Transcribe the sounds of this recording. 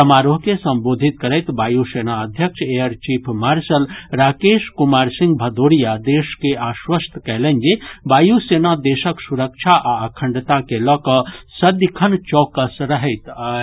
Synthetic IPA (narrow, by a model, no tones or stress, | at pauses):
t̪əmaɾoɦkesəmbod̪ʱit̪̚kəɾəjt̪bajusenaəd̪ʱjəkʃejəɾt͡ʃipʰmaɾsəlɾakeskumaɾsĩŋɡ̚bʱəd̪oɾijad̪eskeʔaswəst̪ʰkɛlənd͡ʒebajusenad̪esəksuɾək̚t͡ʃʰaʔaəkʰəɳɖt̪akelɔkəsəd̪kʰənt͡ʃɔkəsɾəɦəɪt̪